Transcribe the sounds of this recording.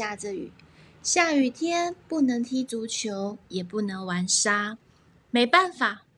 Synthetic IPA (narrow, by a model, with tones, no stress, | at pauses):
a˥˧˩ʈ͡ʂə˨y̰˨˩˦ | ɕja˥˩y˨˩t̪ʰjɛ˥npu˥˩nɤ˧˥ŋt̪ʰi˥t͡su˧˥t͡ɕʰjo˧˥ʊjɛ˨˩pu˥˩nɤ˧˥ŋwa˧˥nʂa˥ | me˨˧˥ɪpa˥˩nfa˨˩˦